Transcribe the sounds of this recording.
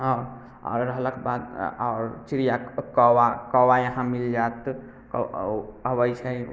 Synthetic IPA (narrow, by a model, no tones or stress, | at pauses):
ɦaɾ | a̰ɾːəɦələkbad̪a̰ːɾt͡ʃiɾijakɔwakɔwajəɦãmild͡ʒat̪ | k | əbəjt͡ʃʰə